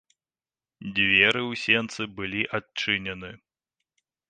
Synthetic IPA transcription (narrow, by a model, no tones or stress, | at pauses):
d͡zʲvʲɛɾɨwsʲɛnt̪sɨbɨlʲiʔat͡ʂɨnʲɛnɨ